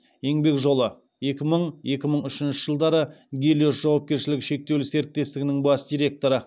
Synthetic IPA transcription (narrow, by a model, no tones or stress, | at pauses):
je̞ŋbe̞kʒo̞lˠə | je̞kʲɪməɴje̞kʲɪməɴʏʃɪnʃɪʒəlˠd̪ɑɾəɡʲelʲosʒ̥ɑwɑp̚kʲe̞ɾʃɪlɪkʃe̞k̚t̪e̞wlɪse̞ɾɪk̚t̪e̞st̪ɪɡʲɪnɪŋbɑsd̪ʲijɾʲe̞k̚t̪o̞ɾə